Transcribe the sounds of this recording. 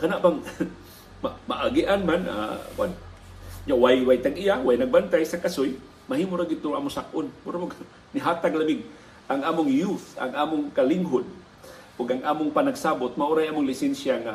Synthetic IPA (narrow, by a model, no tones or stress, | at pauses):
kanaʔpaŋ | mamaʔaɡiʔanmana̰kʊan | d͡ʒawajwajt̪aŋijawajnaɡ̚bant̪ajsakasʊj | maɦiːmʊɾaɡɪd̪̚t̪ːʊʔaːmʊsakʔʊnmʊɾamʊɡ | nɪɦat̪aɡlabɪŋ | ʔaŋʔaːmʊŋjut̪a̰ŋʔaːmʊŋkalɪŋɦʊd̪̚ | ʔʊɡaŋʔaːmʊŋpanaɡsabʊt̪̚maʔuɾajʔaːmʊŋlɪsɛnsjaŋa